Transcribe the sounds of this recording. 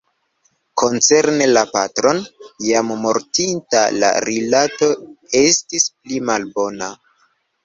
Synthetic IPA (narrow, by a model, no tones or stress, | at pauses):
ko̞nt͡se̞ɾnelapatɾo̞njamːo̞ɾtinta̰la̰ɾilato̞e̞stisplimalbo̞na